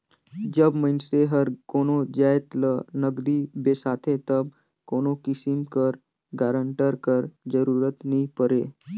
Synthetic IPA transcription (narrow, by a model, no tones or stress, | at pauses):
d͡ʒəbməɪnseɦəɾkoːnod͡ʒaːjet̪lənəɡd̪ibesaːt̪ʰẽt̪əb̚ | koːnokɪsɪmkəɾ | ɡaːɾə̃ɳʈəɾkəɾd͡ʒəɾuːɾət̪nəɦĩpəɾeː